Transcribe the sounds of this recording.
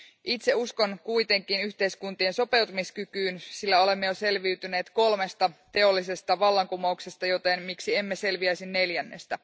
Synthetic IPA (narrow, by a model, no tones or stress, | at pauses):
ʔit̪se̞usko̞nkuijt̪e̞ŋkˑinyçt̪e̞jskunt̪ienso̞pe̞wt̪umiskykyːnsilːæo̞le̞mːejose̞lʋiyt̪yneːt̪ko̞lme̞st̪ɑt̪e̞o̞lːise̞st̪ɑʋɑlːɑŋkumoukse̞st̪ɑjo̞t̪enmiksiemːese̞lʋiæjsinːe̞ljænːe̞̰st̪æ